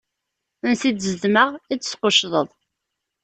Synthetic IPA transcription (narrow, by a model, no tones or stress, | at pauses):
ənsid̪zðməʁit͡sːə̥sqoʃðˤəðˤ